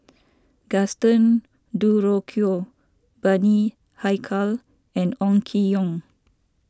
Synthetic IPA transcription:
ɡ̥astə̃n | duɹokʰio | bani | hajkʰal | ɛ̃nɔ̃ŋkʰijɔ̃ŋ

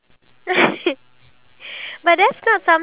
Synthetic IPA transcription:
bʌt̪̚ðætsnətsʌ̃m

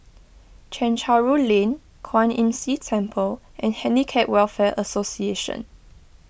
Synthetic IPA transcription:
t͡ʃʰɛ̃nt͡ʃʰaɹulẽn | kʰwãnĩnsitʰɛ̃mpʰəlʔɛ̃nhɛ̃nikʰɛʔwɛlfɛʔəsosieʃə̰̃n

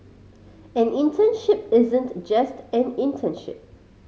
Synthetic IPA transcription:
ɛ̃nĩntʰə̃nʃɪp̚ɪzə̃ntd͡ʒastɛ̃nĩntʰə̃nʃɪ̰p̚

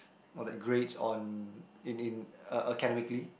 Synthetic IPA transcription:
ɔdɛt̚ɡɹetsɔ̰̃nĩnĩnəʔəkɛnɛmikli

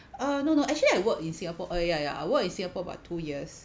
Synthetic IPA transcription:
anonoʔɛk̚t͡ʃəliajwəkĩnsĩŋapɔʔajajaa̰jwəkĩnsĩŋapɔəba̰ʊtʰːujiəs

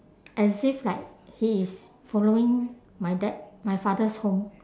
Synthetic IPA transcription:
ʔɛsiflajk̚hiis | fɔloɪ̃ŋ | majdɛt̚majfadəshõm

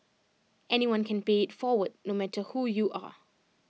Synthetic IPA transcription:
ʔɛniwãnkʰæ̃nbeːtfɔːwəd̚nõmætʰəhujuʔa̰

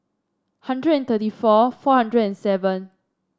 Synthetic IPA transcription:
hãndɹədɛ̃nt̪ətifɔfɔhãndɹədɛ̃nsɛvə̃n

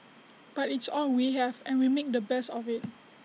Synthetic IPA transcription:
b̥atɪtsɔlwiɦɛvɛ̃nwimek̚dəbɛstɔfɪt̚

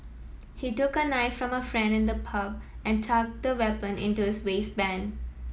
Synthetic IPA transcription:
hiʈʊkənaɪfɾɔ̃məfɾɛ̃ɳɖɪ̃nd̪əpʰʌʋæ̃nʈʰak̚d̪əwɛpə̃nʔɪ̰̃nʈuɪsweːsbæ̃n

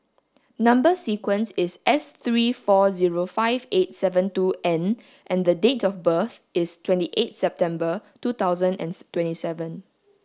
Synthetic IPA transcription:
nãmbəsikwə̃nsɪsʔɛst̪ɹiːfɔziɹofaɪvet̚sɛvə̃ntuʔɛ̃n | ʔɛ̃nd̪ədetɔfbəθɪstʰwɛ̃ntiʔet̚sɛp̚tɛ̃mbətut̪aʊzə̃nɛ̰̃ntwɛ̃ntisɛvə̃n

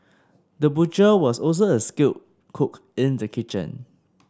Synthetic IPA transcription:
dəbut͡ʃəwɔsɔls̬oəskit | kʰʊk | ĩndəkʰit͡ʃə̰̃n

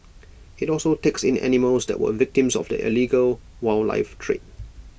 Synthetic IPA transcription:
ɪtɔlˠsoteksɪ̃nɛ̰niməlsdɛ̰t̚wə̰vɪk̚tɪ̃msɔ̰fdə̰ʔḭliɡəl | waɪlla̰ɪftʰɹḛt̚

